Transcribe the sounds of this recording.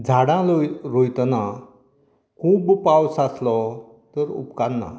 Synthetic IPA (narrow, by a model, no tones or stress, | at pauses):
d͡zʱaɽãloɾojt̪na | kʰuːbpawsaslɔ | t̪əɾṵpkanːa̰